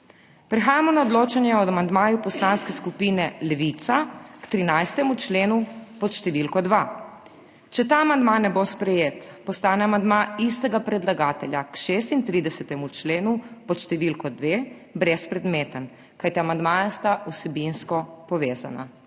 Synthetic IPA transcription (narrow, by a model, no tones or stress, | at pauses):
pɾɛxaːjamɔnaɔd̪loːt͡ʃanjɛɔd̪amand̪maːjupɔslanskɛskupiːnɛlɛʋit̪sakt̪ɾinajst̪ɛmut͡ʃleːnupɔt̪ʃt̪ɛʋilkɔd̪ʋa | t͡ʃɛt̪aːmand̪manɛbospɾɛjeːt̪pɔst̪aːnɛamand̪maist̪ɛɡapɾɛd̪laɡaːt̪ɛljakʃeːst̪int̪ɾid̪ɛsɛt̪ɛmut͡ʃleːnupɔt̪ʃt̪ɛʋilkɔd̪ʋeː | bɾɛspɾɛd̪meːt̪ən | kajt̪iamand̪maːjast̪ausɛbinskɔpɔʋeːza̰na̰